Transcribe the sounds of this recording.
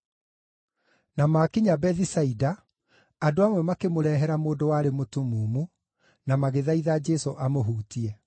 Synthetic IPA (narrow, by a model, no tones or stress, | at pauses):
namakiɲabɛðisaidaː | doamwɛmakemoɾɛːɦɛɾamoːdowaːɾemotumuːmu | namaɣeðaiðaːd͡ʒɛsoʔamoɦuːtiɛ